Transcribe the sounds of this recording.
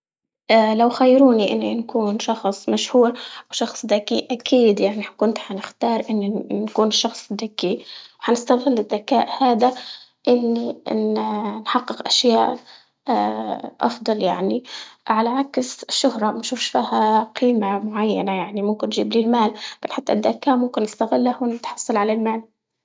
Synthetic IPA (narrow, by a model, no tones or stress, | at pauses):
ʔalawxajːɾuːniʔɪnːinkuːnʃɑxsˤmaʃhuːɾʔawʃɑxsˤd̪akiʔakʰiːd̪jaʕniħkʊnt̪ħanɪxt̪ɑːɾˤʔɪnːnkuːnʃɑxsˤd̪akːiwħanɪst̪aðɪlːɪd̪ːakaːʔhaːd̪a | ʔɪnːinnħɑqːɪqʔaʃjaːʔ | ʔɑ̰fd̪ˤɑljaʕniʕalaʕaksʃːʊhɾˤɑmaʃuːfʃfiːhaqʰiːmamʊʕajːanajaʕnimʊmkɪnːʒiːbliːlmaːlbanħat̪ːa̰d̪ːakaːʔmʊmkɪnːɪst̪aɣɪlːahnɪt̪ħɑ̥sˤːɑlʕalalmaːl